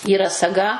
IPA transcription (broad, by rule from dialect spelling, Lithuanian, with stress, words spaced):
iːˈrɐ sɐˈɡɐ